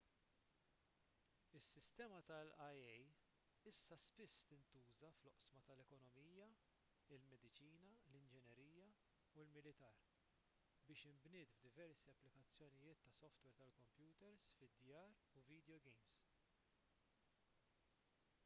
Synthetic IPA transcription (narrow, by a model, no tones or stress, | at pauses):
ɪsːɪst̪ɛːmɐt̪ɐlɐjɛj | ɪsːɐspɪsːt̪ɪnt̪uːzɐflɔʔsmɐt̪ɐlɛkɔnɔmiːjɐ | ɪlmɛd̪ɪt͡ʃiːnɐlɪnd͡ʒɛnjɛɾiːjɐ | ulmɪlɪt̪ɐːɾ | bɪːʃɪmbnɪːd̪fd̪ɪvɛɾsiɐpːlɪkɐt͡sːjɔnɪjɪːt̪ːɐsɔft̪wɛːɾt̪ɐlkɔmpjuːt̪ɛɾsfɪd̪jɐːɾ | uviːd̪jɔɡɛjms